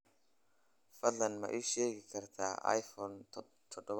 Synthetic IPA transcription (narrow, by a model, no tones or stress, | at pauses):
fɐɮɐnmɐ̰ʔiʃeːɡɪkʰɐɾt̪ʰa̰ːa̰jfɔn | t̪ʰɔɖɔβ